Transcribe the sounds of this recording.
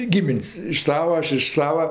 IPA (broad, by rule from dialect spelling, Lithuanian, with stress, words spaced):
ˈɡʲɪmʲɪnʲsʲ ɪʃ ˈsɑːʋɐoː ˈɐʃ ɪʃ ˈsɑːʋɐ